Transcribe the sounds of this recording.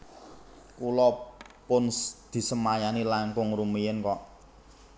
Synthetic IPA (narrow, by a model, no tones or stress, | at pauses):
kulɔpʊnd̪̥i̤səmajanilaŋkʊŋrumijɪnkɔʔ